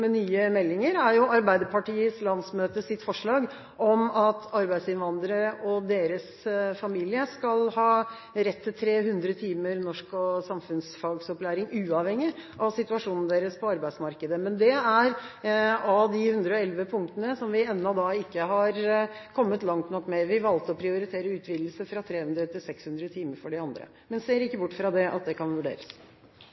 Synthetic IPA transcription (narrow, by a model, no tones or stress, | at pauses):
mɛnyːəmɛlːɪŋəɾæɾjʊɑɾbæɪd̪əpʰɑʈiːəslɑnsmøːt̪əsɪt̪ːfɔʂɭɑːɡ | ʔɔmɑt̪ʰɑɾbæɪsɪnʋɑnd̪ɾəɾəʔɔd̪eːɾəs | fɑmiːlɪəskɑlhɑː | ɾɛt̪ʰːɪlt̪ʰɾeːhʉnd̪ɾət̪ʰiːməɾnɔʂkɔsɑmfʉnsfɑlɡsɔplæːɾɪŋʉːɑʋhɛŋːɪʔɑʋsɪt̪ʉɑʂuːnn̩d̪eːɾəspʰɔɑɾbæɪsmɑɾkəd̪əmɛnd̪ɛæɾ | ɑd̪ɪhʉnd̪ɾəɔɛlʋəpʰʊŋkt̪ənəsɔmʋɪɛnːɔd̪ɑɪkːəɦɑɾkʰɔmːət̪lɑŋt̪nɔkːmɛʋɪʋɑlt̪ɔpʰɾɪʊɾɪt̪ʰeːɾəʉːt̪ʰʋiːd̪l̩səfɾɑt̪ʰɾeːhʉnd̪ɾət̪ʰɪlsɛkshʉnd̪ɾət̪ʰiːməɾfɔɖɪɑnd̪ɾə̰ | mɛnseːɾɪkːəbʊʈːfɾɑd̪ɛʔɑ̰t̪̚d̪ɛkʰɑnʋʉɖḛːɾəs